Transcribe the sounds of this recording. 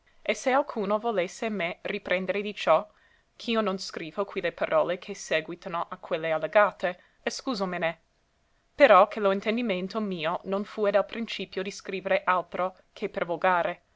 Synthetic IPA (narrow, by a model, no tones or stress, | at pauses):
esealkʰuːnovolesːemeripɾʔend̪eɾed̪it͡ʃɔ | kʰiːononskɾiːvokwilepaɾʔɔːlekʰeseːɡwit̪anoʔakʰwelːealːeɡaːt̪e | eskuːzomene | peɾɔkʰeloint̪end̪iment̪omiːononfuːed̪alpɾint͡ʃiːpjod̪iskɾiːveɾeʔalt̪ɾo | kʰepervoɡaːɾe